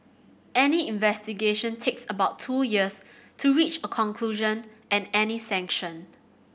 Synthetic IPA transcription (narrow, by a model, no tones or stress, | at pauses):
ɛniĩnvɛstiɡeʃə̃ntʰeksəbaʊtʰːujiəstʰuɹit͡ʃəkʰɔ̃ŋkʰluʒə̃nɛ̃nɛnisɛ̃ŋkʃə̃n